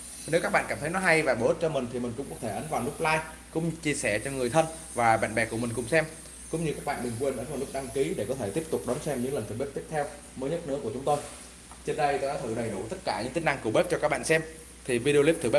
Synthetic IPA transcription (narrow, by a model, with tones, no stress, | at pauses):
ne˨˦wkaː˦˥k̚ɓa̰ː˧˨nkaː˧˩mt̪ə˨˦jnɔ˨˦ɦa˧jvaː˨˩ɓo˧˩hi˦˥t̚t͡ɕɔ˧mï˨˩ŋ̟t̪ʰi˨˩mï˨˩ŋ̟kʊ̰˧˥ŋ͡mkɔ˨˦t̪ʰe˧˩ʔə˨˦nvaː˨˩wnʊ˦˥k͡p̚laː˧j | kʊ̰˧˥ŋ͡mt͡ɕi˧əsɛ˧˩t͡ɕɔ˧ŋɨ˨˩əjt̪ʰə˧n | vaː˨˩ɓa̰ː˧˨nɓɛ˨˩ku˧˩əmi˨˩ŋ̟kʊ̰˧˩ŋ͡msɛ˧m | kʊ̰˧˥ŋ͡mɲɨ˧kaː˦˥k̚ɓa̰ː˧˨ɗɨ˨˩ŋkwe˨˧˩nʔə˨˦nvaː˨˩lʊ˦˥k̚ɗa˧ŋki˨˦ɗe˧˩kɔ˨˦t̪ʰe˧˩t̪i˦˥əp̚t̪ʊ˨˩k͡p̚ɗɔ˨˦nsɛ˧mɲɨ̰˧˥ŋlə˨˩nt̪ʰɨ˨˩ɓe˦˥p̚t̪ət̪ʰɛ˧w | məː˨˦jɲə˦˥t̚nɨ̰˧˥ku˧˩ət͡ɕʊ˨˦ŋ͡mt̪o˧j | t͡ɕe˧nɗə˧jt̪o˧jkaː˨˦t̪ʰɨ˧˩ɗə˨˩jɗu˧˩t̪ə˦˥t̚kaː˧˩ɲɨ̰˧˥ŋt̪ï˦˥ŋ̟na˧ŋku˧˩ɓe˦˥p̚t͡ɕɔ˧kaː˦˥k̚ɓa̰ː˧˨nsɛ˧m | t̪ʰi˨˩vi˧ɗi˧li˦˥p̚t̪ɨ˨˧˩ɓe˦˥